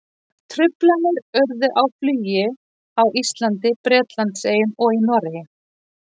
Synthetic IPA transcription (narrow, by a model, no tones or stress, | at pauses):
t̪ʰɾʏplanʏɾœɾðʏʔawflyːjɪ | awʔist̪lant̪ɪpɾɛːt̪lant̪seːjʏnɔɣinɔɾɪjɪ